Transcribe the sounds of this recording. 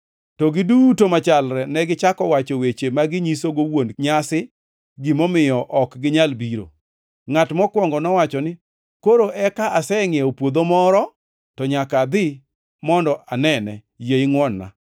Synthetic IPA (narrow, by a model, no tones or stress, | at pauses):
tɔɡɪdutomat͡ʃalɾɛnɛɡɪt͡ʃakɔwat͡ʃowet͡ʃemaɡɪɲisoɡowonɲasɪ | ɡimɔmɪjɔʔɔkɡɪɲalbiɾo̰ | ŋatmɔkwɔŋɡɔnɔwat͡ʃɔnɪ | koɾoʔɛkaʔasɛŋeopwod̪omɔɾɔ | tɔɲakad̪ɪ | mɔndɔʔanɛnɛ | jeiŋwɔnːa̰